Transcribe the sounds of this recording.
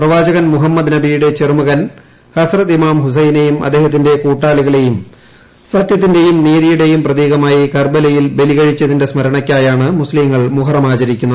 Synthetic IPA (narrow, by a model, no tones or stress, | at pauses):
prɐʋaːd͡ʑɐɣɐnmuɦɐmːɐd̪nɐbijuɽe̞t͡ɕermɐɣɐn | hɐsrɐt̪imaːmhus̬ɐjnejumʔɐd̪ːeːɦɐt̪̬ːinde̞kuːʈːaːliɣɐɭe̞jum | sɐt̪jɐt̪ːinde̞jumniːðijuɽe̞jumprɐðeːɣɐmaːjikɐrbɐlɐjilbe̞liɣɐɻit͡ɕːɐðinde̞smɐɾɐɳɐkʲːaːjaːɳɨmusliŋːɐɭmuɦɐrɐmaːt͡ɕɐɾikʲːunːɐð